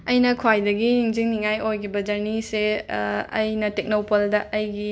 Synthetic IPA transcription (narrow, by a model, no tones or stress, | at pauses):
ɐjnɐkʰwajdɐɡiniŋziŋniŋajojkʰibɐd͡ʒɐɾnise | ɐ̰jnɐtek̚nowpɐldɐʔɐjɡi